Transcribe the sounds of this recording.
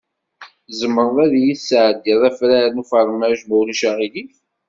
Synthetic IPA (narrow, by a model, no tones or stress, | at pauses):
zəmːəɾˤðˤæðjiθsʕd̪iðˤæfɾæɾənufəɾˤmæʒmuliʃæʁiliθ